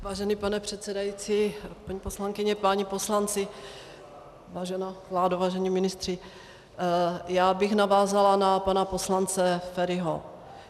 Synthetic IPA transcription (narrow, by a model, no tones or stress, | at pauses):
vaːʒɛnipanɛpr̥ɛt̪sɛdajit͡siːpaɲiposlaŋkɪɲɛpaɲipo̞slant͡sɪ | vaːʒɛnaːvlaːdovaːʒɛɲiːmɪnɪst̪r̥ɪ | jaːbɪxnavaːzalanapanapo̞slant͡sɛfɛɾɪɦo̰